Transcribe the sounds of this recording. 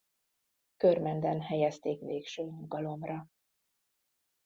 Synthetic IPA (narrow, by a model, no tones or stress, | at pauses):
kørmɛnd̪ɛnɦɛjɛst̪eːkʋeːkʃøːɲuɡɒlo̞mrɒ